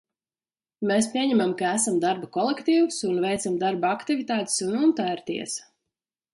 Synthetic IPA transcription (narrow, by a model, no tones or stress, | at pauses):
mespʲiɛɲɛmamkaæsamd̪aɾbakɔlˠɛkt̪iːwusunvɛjt̪samd̪aɾbaakt̪ivit̪aːt̪ɪ̥sununt̪æɾt̪ḭɛs